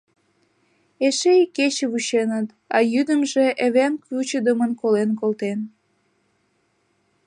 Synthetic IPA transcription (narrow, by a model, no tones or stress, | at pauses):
eʃejket͡ɕəβuʃenət̪ | ɑjyd̪əmʒeʔeβemkut͡ɕəd̪əmənkolenkolt̪en